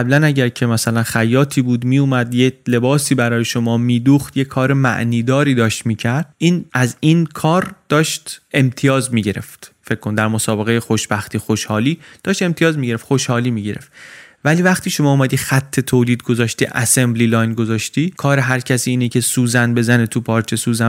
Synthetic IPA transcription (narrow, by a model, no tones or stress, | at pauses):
æblænæɟæɾcʰe̞mæsælænxæjɒːt̪ʰiːbuːd̪miːuːmæd̪jele̞bɒːsiːbæɾɒːje̞ʃomɒːmiːd̪uːxt̪jekʰɒːɾe̞mæ̰ʔniːd̪ɒːɾiːd̪ɒːʃt̪miːcʰæɾd̪̥̚iːnæzinkʰɒːɾd̪̥ɒːʃt̪e̞mt̪ʰijɒːzmiːɟe̞ɾe̞̰ft̪fe̞cʰːond̪æɾmosɒːbe̞ɣejexoʃbæxt̪iːxoʃhɒːliːd̪̥ɒːʃt̪e̞mt̪ʰijɒːzmiɟee̞ft̪xoʃhɒːliːmiːɟe̞ɾe̞̰ft̪væliːvæχt̪iːʃo̞mɒːumæd̪iːxæt̪ʰːe̞t̪ʰoːliːd̪̚ɡo̞zɒːʃt̪iːʔæ̰sembliːlɒːjnɡo̞zɒːʃt̪iːkʰɒːɾeɦæɾcʰæsiːiːnecʰesuːzænbe̞zænet̪ʰupʰɒːɾt͡ʃʰesuːzæ